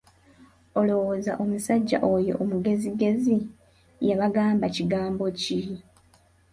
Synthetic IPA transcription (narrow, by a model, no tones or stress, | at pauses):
o̞lo̞woːza̰ʔo̞musaɟːa̰ʔojo̞̰ʔomuɡe̞ziɡe̞zi | jaβaɡaːmbaciɡaːmbo̞ci